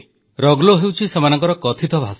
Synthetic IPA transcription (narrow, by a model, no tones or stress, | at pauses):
ɾɔɡloɦewt͡ʃʰisemanɔŋkɔɾɔkɔt̪ʰit̪ʰɔbʱas